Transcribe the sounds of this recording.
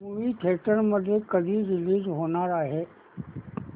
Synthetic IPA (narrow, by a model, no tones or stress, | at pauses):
muʋiʈʰeːʈəɾməd̪ʱjekɐd̪ʱiɾɪliːzɦoːnaɾaːɦeː